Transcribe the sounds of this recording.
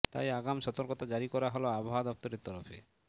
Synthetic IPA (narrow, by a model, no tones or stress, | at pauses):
t̪a̰jaɡamʃɔt̪oɾkot̪ad͡ʑaɾikɔɾaɦoloaboɦad̪ɔp̚t̪oɾeɾt̪ɔɾofḛ